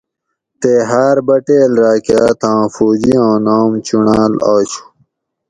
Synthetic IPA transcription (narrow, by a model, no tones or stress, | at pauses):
t̪eːɦaːɾbɐʈeːlɾaːkjaːt̪ʰãːfuːd͡ʑiãːnãːmt͡ɕunaːlaːɕu̥